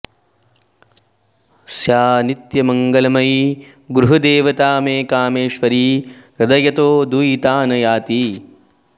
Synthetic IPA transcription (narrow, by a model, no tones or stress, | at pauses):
sjaːnit̪jɐmɐŋɡɐlɐmɐj | ɡɾuɦɐd̪eːʋɐt̪aːmeːkaːmeːʃʋɐɾiːɾɐd̪ɐjɐt̪oːd̪ujit̪aːnɐjaːt̪i